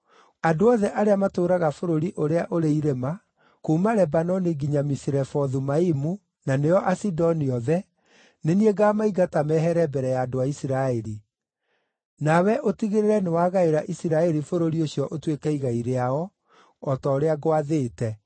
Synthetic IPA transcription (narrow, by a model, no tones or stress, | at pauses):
adoɔðɛʔaɾeamatoɾaɣafoɾoɾiʔoɾeaʔoɾeiɾema | komaɾɛbanɔniɡiɲamisiɾɛfɔðumaimu | nanejɔʔasidɔniɔðɛ | nenieɡamaiɡatamɛɦɛɾɛbɛɾɛjaːdoaisiɾaɛɾi | nawɛʔotiɣeɾeɾɛnewaːɣaeɾaʔisiɾaɛɾifoɾoɾiosjɔʔotwekɛiɣaiɾeaɔː | tɔoɾeaɣoaðeːtɛ